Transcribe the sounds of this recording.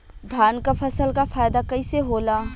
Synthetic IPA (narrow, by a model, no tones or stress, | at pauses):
d̪ʱaːnkapʰɐsəlkafʰaːjd̪akɐiseɦoːlaː